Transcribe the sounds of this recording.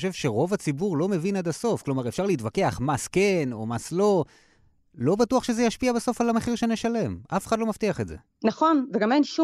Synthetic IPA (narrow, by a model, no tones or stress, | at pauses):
ʃe̞vʃe̞ʁo̞vat͡sibuʁlo̞me̞vinad̪aso̞fklo̞maʁefʃaʁleitvake̞aχmaskeno̞maslo̞ | lo̞batuaχʃezejaʃpiabeso̞falameχiʁʃeneʃale̞mʔafeχadlomaft̪iaχetze̞̰ | naχo̞nveɡamenʃu